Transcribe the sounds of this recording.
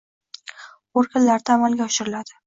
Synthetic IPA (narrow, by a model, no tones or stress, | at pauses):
oɾɡʲanlaɾd̪aamalɡʲaɒʃɪɾɪlad̪ɪ